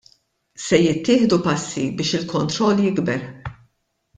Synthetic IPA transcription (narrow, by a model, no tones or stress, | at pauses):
sɛjɪt̪ːɪːħd̪upɐsːḭbɪːʃɪlkɔnt̪ɾɔlːjɪɡbɛɾ